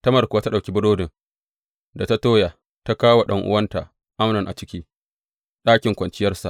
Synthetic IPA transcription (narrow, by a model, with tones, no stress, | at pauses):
tɐ˦mɐ˨rkʷʊ˨waː˦ta˦ɗa˨kʲi˦bʊ˦doː˦dɪ˨ŋ | da˨ta˦toː˦jaː˨ | ta˦kaː˦wa˨ɗɐ̰˦ŋʔʊ̰˦wɐ˦nta˨ʔ | ʔa˦mnɪ˨ŋʔa̰˨t͡ʃɪ˦kʲiː˦ | ɗaː˦kʲɪ˨ŋkʷɐ˨nt͡ʃɪ˦jɐ˦rsa˨ʔ